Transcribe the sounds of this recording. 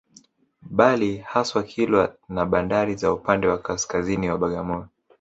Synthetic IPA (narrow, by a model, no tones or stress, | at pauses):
ɓalihaswakʰilwanaɓandaɾizaupandɛwakaskaziniwaɓaɠamɔɾɔ